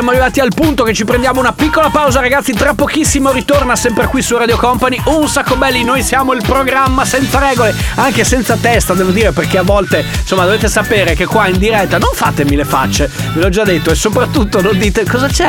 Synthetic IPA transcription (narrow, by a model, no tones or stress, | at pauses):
sjamoarivaːt̪ialpunt̪oket͡ʃːipɾend̪jaːmounapikːolapawzaɾaɡat̪sːit̪ɾapːokisːimoɾit̪ornasɛmpɾekwisurad̪jokɔmpaniunsakːobɛlːinojsjaːmoilpɾoɡɾamːasɛnt̪saɾɛːɡoleaŋkesɛnt̪sat̪ɛst̪ad̪ɛːvod̪iːɾeperkeavːɔlt̪esomːad̪oveːt̪esapeːɾekekːwaind̪iɾɛt̪ːanoɱfaːt̪emilefa̰t͡ʃːevelɔd͡ʒad̪ːet̪ːoesːopɾat̪ːut̪ːonõnd̪iːt̪ekɔzat͡ʃɛ